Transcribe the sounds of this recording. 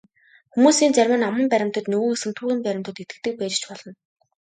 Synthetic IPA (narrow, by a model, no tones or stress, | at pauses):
xumuːsiːnt͡sæɾʲmănamə̆mpæɾʲɪ̆m̥t̪ɞ̆t̪nɵɣɵːɡesɘ̆ŋt̪ʰuːɣɘ̆mpæɾʲɪ̆m̥ʲt̪ə̆t̪et̪ɡɘ̥̆t̪ɘ̆k̚pæːt͡ɕɪ̥̆t͡ɕpɔɮɞ̆n